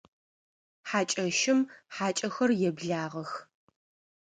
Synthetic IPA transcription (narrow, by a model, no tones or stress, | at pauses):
ħaːt͡ʃʼɐʃɪmħaːt͡ʃʼɐxɐrjɛbɮaːʁɐx